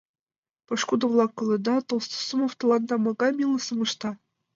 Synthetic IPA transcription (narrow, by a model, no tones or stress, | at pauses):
pɤ̆ʂkud̪ɤ̆vlˠɑkːɤ̆lʲˠɤ̆d̪ɑt̪ɤ̆lˠst̪ɤ̥̆sɤ̆mɤ̆ft̪ɤ̆lˠɑnd̪ɑmɑɡɑmʲilˠɤ̆sɤ̆mɤ̆ʂt̪ɑ